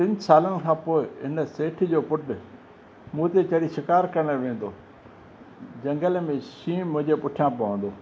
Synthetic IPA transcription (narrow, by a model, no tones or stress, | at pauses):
pɪ̃ɲd͡ʑsaːlənɪ̆kʰãːpoːɪɦɪnəseːʈʰd͡ʑoːpʊʈ | mũːt̪et͡ɕɐɽiʃɪkaːɾkɐɾɽ̃ʋẽːnd̪oː | d͡ʑɐ̃ŋɡəlmẽʃĩːmʊ̃ɦɪ̃ɲd͡ʑepʊʈʰjãpɐʋə̃n̆d̪oː